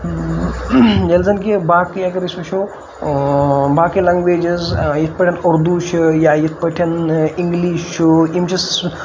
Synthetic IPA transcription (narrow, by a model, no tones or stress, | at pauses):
d͡ʒɐlzɐnkibaːkjɐkɐɾismɐʃʰo | baːkilɐŋɡʋeːd͡ʒɐzjit̪̚ʰpɐʈʰʲɐnoɾd̪uʃʰjajit̪̚ʰpɐʈʰɐniŋɡliːʃt͡ʃʰuimt͡ʃʰɐs